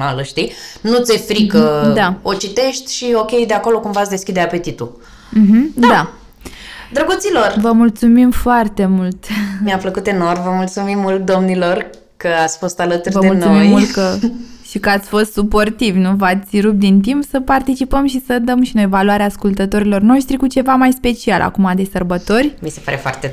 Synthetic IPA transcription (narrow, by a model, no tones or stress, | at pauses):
aləʃt̪inut̪sefɾikəd̪aot͡ʃit̪e̞ʃt̪ʲʃio̞kʲe̞jd̪eako̞lo̞kumvat̪sʲd̪e̞skʲid̪eape̞t̪it̪u | m̩ɦm̩d̪a | d̪ɾəɡut̪silo̞rvəmult̪sumimfoart̪e̞mult̪miafləkut̪e̞no̞rvəmult̪sumimːult̪̚d̪o̞mnilo̞r | kəat̪sʲfo̞st̪alət̪uɾʲrvəd̪eulnuoijmult̪kəʃikəat̪sʲfo̞st̪supo̞rt̪ivnuvat̪sʲɾup̚d̪int̪impsəpart̪it͡ʃipəmʃisəd̪əmʃino̞jvaluaɾeaːskult̪ət̪o̞ɾilo̞rno̞ʃt̪ɾikut͡ʃe̞vamajspe̞t͡ʃialʔa̰kumad̪e̞sərbət̪o̞rʲmise̞pa̰ɾefoa̰rt̪e